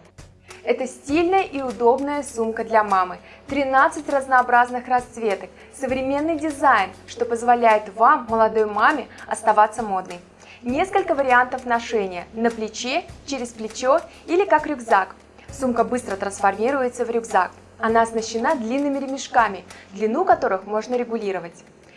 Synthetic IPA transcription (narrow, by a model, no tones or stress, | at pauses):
ɛt̪əsʲtʲilʲnəjəʔiʊd̪o̞bnəjəsumkəd̪lʲɐmamɨ | t̪ɾʲɪnat̪sɨtʲrəznɐːbɾaznɨxrɐst̪svʲe̞t̪ək | səvɾʲɪmʲe̞nːɨjdʲɪzajnʂt̪o̞pəzvalʲæjɪt̪vamːəlˠɐd̪o̞jmamʲɪɐst̪ɐvat̪sːəmo̞d̪̚nəj | nʲe̞skəlʲkəvəɾʲɪant̪əfnɐʂɛnʲɪjənəplʲɪt͡ɕet͡ɕeɾʲɪsplʲɪt͡ɕo̞ | ilʲɪkakɾʲʊɡzak | sumkəbɨst̪ɾət̪ɾənsfɐrmʲiɾʊjɪt̪səvɾʲʊɡzak̚ | ɐnaɐsnəɕːɪnad̪lʲinːɨmʲɪɾʲɪmʲɪʂkamʲɪd̪lʲɪnukɐt̪o̞ɾɨxmo̞ʐnəɾʲɪɡʊlʲiɾəvətʲ